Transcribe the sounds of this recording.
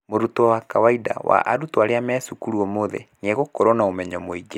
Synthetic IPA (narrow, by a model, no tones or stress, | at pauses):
moɾutoawakawaida̰wa̰ʔaɾutoaɾeamɛsukuɾɔmoðɛ̰ɲeɣokoɾonaomɛɲɔmoiɡe